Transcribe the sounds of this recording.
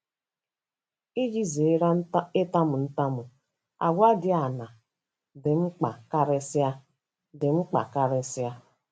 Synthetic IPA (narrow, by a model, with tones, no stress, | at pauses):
i˦d͡ʒi˦ze˨˦ɾe˦ta˦mʊ˨n̩˦ta˦mʊ˨ | a̰˨ɡʷa˦dɪ˦a˨na˨ | dɪ˨ŋ͡m̩˦k͡pa̰˨ka˦ɾɪ˦sja˦ | dɪ˨ŋ͡m̩˦k͡pa̰˨ka˦ɾɪ˦sja˦